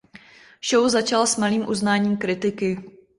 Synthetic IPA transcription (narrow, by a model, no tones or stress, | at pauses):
ʃowzat͡ʃalsmaliːmʔuznaːɲiːmkɾɪt̪ɪkɪ